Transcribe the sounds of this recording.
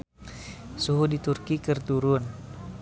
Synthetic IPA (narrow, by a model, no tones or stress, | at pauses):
suɦudit̪urkikərt̪uɾun